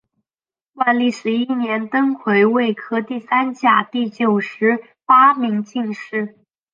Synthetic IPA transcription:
wa˥˧nli˥˩ʂɻ̩˧˥i˥˩njɛ˧˥nt̪ɤ˥ŋkʰwe˧˥ɪwe˥˩ɪkʰɤ˥t̪i˥˩sa˥nt͡ɕja˨˩t̪i˥˩t͡ɕjo˨˩ʊʂɻ̩˧˥ | fa˥mi˧˥ŋt͡ɕi˥˧ŋʂɻ̩˥˩

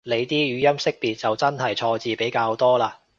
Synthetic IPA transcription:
le˨˧jt̪iː˥jyː˨˧jɐ˥msɪ˥k̚piː˨t̚t͡sɐ˨wt͡sɐ˥nɦɐ˨jt͡ʃʰɔː˧t͡siː˧pe˨˥jkaː˧wt̪ɔː˥laː˧

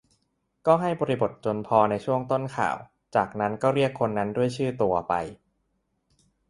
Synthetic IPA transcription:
kɔː˥˩ɦa˥˩jbɔː˧ɾi˦˥bo˨˩t̪̚t͡ɕo˧npʰɔː˧na˧jt͡ɕʰu˥˩əŋt̪o˥˩nkʰa̰ː˨˩w | t͡ɕaː˨˩k̚na˦˥nkɔː˥˩ɾi˥˩əkʰːo˧nːa˦˥ndu˥˩əjt͡ɕʰɯː˥˩t̪u˧ɐpa̰˧j

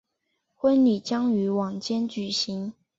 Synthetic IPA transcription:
xwə˥nni˨˩t͡ɕjɑ˥ŋy˧˥wɑ˨˩ŋt͡ɕjɛ˥nt͡ɕy˨˩ɕi˧˦ŋ

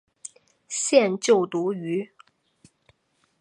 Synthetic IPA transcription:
ɕjɛ˥˧nt͡ɕjo˥˩ʊt̪u˧˥y˧˥

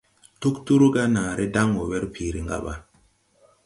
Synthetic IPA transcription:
tu˦ktu˦ɾu˦ɡa˦naː˨ɾʔe˦da˦ŋo˨we˦ɾpʰi˨ɾi˨ŋɡa̰˦ɓa̰˨

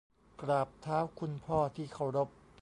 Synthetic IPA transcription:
kɾaː˨˩p̚t̪ʰaː˦˥wkʰu˧npʰɔː˥˩t̪ʰiː˥˩kʰa˥˩wɾo˦˥p̚

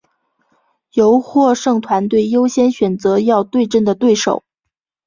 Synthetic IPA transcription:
jo˧˥ʊxwɔ˥˧ʂɤ˥˩ŋt̪ʰwa˧˥nt̪we˥˩ɪjo˥ʊɕjɛ˥nɕɥɛ˨˩nt͡sɤ˧˥jɑ˥˧ʊt̪we˥˧ɪʈ͡ʂə˥˩nd̪ə˩t̪we˥˩ɪʂo̰˨˩ʊ

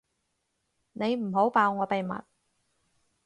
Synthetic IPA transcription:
ne˨˧jm̩˨˩ɦo˨˥wpaː˧wŋɔː˨˧pe˨jmɐ̰˨t̚

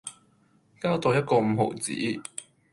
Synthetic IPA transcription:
kaː˥wt̪oː˧wjɐ˥t̚kɔː˧m̩˨˧ho̰˨˩t͡sḭː˨˥

